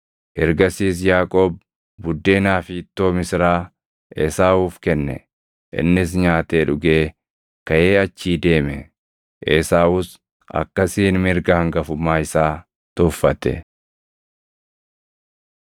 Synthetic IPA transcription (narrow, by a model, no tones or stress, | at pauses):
ʔɛɾɡɐsiːs̬jaːkʼoːb | bʊd̪ːeːnaːfiːt̪ːo̞ːmɪsɪɾaː | ʔeːsaːuːfkɛnːɛ̰ | ʔɪ̰nːɪs̬ɲaːt̪eːᶑʊɡeː | kɐʔe̞ːɐt͡ʃːiːd̪e̞ːmɛ̰ | ʔeːsaːʔʊs | ʔɐ̰kːɐsiːnmɪɾɡaːŋɡɐfʊmaːɪsaː | t̪ʊfːɐt̪ɛ̰